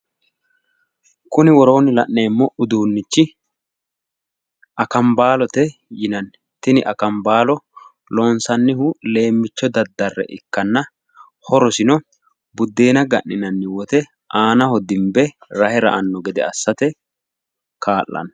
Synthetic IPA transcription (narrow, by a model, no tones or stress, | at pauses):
kʊnɪwɔɾo̞ːnɪlɐ̰ʔːeːmːɔʊd̪uːnːɪt͡ʃːɪ | ɐkɐmbaːlɔt̪ɛjɪnɐn | t̪ɪnɪʔɐkɐmbaːlɔ | lo̞ːnsɐnːɪhʊle̞ːmːɪt͡ʃːɔd̪ɐd̪ːɐrːɛ̰ʔɪkːɐnːɐ | hɔɾɔsɪnɔ | bʊd̪ːe̞ːnɐɡɐʔːɪnɐnːɪwɔt̪ɛ | ʔaːnɐhɔd̪ɪmbɛɾɐhɛɾɐ̰ʔɐnːɔɡɛd̪ɛ̰ɐsːɐt̪ɛ | kʰaːlːɐ̰n